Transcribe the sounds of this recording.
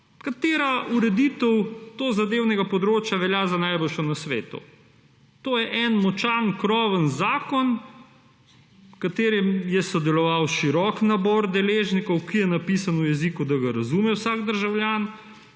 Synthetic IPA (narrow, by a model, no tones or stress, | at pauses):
kat̪eːɾauɾɛd̪it̪əwt̪oːzad̪eːwnɛɡapɔd̪ɾoːt͡ʃjaʋɛljazanajbolʃɔnasʋeːt̪ṵ | t̪oːjɛʔɛnmɔt͡ʃankɾɔːʋənzaːkɔn | kat̪eːɾɛmjɛsɔd̪ɛlɔʋawʃiɾɔknabɔːɾd̪ɛleːʒnikɔwkijɛnapisanujɛzikud̪aɡaɾɐzumɛwsaːɡd̪əɾʒawljaːn